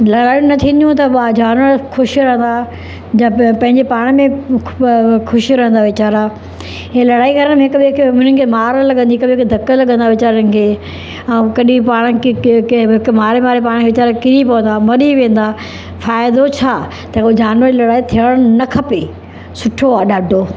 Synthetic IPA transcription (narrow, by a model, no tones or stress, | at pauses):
lɐɽaːjũnɐt̪ʰĩːnd̪jũt̪ɐɓaːd͡ʑaːnʋəɾkʰʊʃiɾɐɦə̃nd̪a | d͡ʑãːpɐ̃ɦɪ̃ɲd͡ʑepaːɽ̃əmẽ | kʰʊʃiɾɐ̃ɦə̃nd̪aʋɪt͡ɕaːɾa | ɦẽlɐɽaːiɡɐɾəɽ̃mẽɦɪkʊɓkʊnənɪkʰeːmaːɾlɐɠə̃nd̪iɪkbɪɦɪkd̪ʱɐkəlɐɠə̃nd̪aʋɪt͡ɕaːɾənɪ̆kʰeː | ɐ̃kɐɗĩpaːɽ̃əkɦɪkmaːɾemaːɾepaːɽ̃kʰeʋɪt͡ɕaːɾakɪɾipɐʋə̃nd̪aːmɐɾiʋẽːn̆d̪aː | faːjd̪ot͡ɕʰaː | t̪ɐkod͡ʑaːnʋəɾilɐɽaːit̪ʰijəɽ̃nɐkʰɐpeː | sʊʈʰoaːɗaːɖʱoː